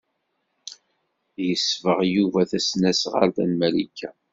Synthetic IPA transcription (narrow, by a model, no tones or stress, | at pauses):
jəsvəʁjuvæθæsnæsʁə̰ɾθænmælikːæ